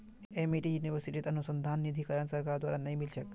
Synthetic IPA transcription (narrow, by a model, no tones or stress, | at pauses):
emiʈijuniʋəɾsiʈit̪ɐnusənd̪ʱanːid̪ʱikəɾansəɾkaɾd̪waɾanɐjmilt͡ʃʰək